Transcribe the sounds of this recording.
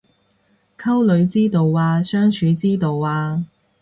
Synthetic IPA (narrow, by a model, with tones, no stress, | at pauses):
kʰɐ˥wlɵ˨˧ɥt͡siː˥t̪o˨waː˧sœː˥ŋt͡ʃʰyː˨˧t͡siː˥t̪o˨waː˧